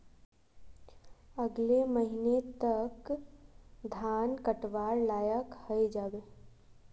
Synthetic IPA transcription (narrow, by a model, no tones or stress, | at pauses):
ɐɡleməɦinet̪ək | d̪ʱaːnkəʈʋaːɾlaːjəkhəed͡ʒaːbeː